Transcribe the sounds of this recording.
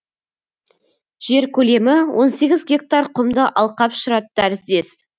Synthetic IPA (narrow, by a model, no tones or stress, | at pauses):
ʒ̥e̞ɾkʲʰɵle̞mɪwʔo̞nse̞ɡʲɪzɡʲe̞k̚t̪arqʰʊmd̪əʔɑlˠqɑpʃʊɾɑt̪̚d̪æɾɪsd̪e̞s